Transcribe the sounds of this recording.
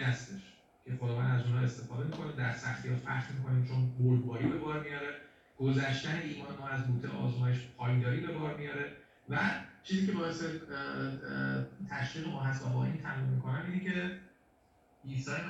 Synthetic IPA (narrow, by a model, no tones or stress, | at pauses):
æst̪eʃ | cʲʰe̞xod̪ɒːvænæzuːnhɒːest̪e̞fɒːd̪e̞miːkʰo̞nid̪æɾsæxt̪ʰijɒfæ̰χt̪mikʰo̞niːmt͡ʃʰonboɾbɒːɾiːbe̞bɒːɾmijɒɾe̞ | ɡ̥ozæʃt̪æneiːmɒːnmɒːæzbuːt̪ʰeʔɒ̰ːzmɒːjeʃpʰɒːjnd̪ɒːɾiːbe̞bɒɾmijɒɾe̞ | væt͡ʃʰiːziːcʰe̞bɒːe̞se | t̪ʰæʃʁiːɣemɒːɦæs̬t̪æbɒ̰ʔint̪ʰæʁimmːikʰo̞næmiːnecʰe̞ | iːsɒɾin